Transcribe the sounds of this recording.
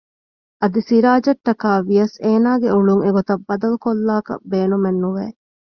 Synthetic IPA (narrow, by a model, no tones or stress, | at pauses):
ʔɐd̪isiɾaːd͡ʒɐʈːɐkaːʋijɐseːnaːɡeuɭuŋeɡot̪ɐbːɐd̪ɐlukolːaːkɐ̰beːnumenːuʋeː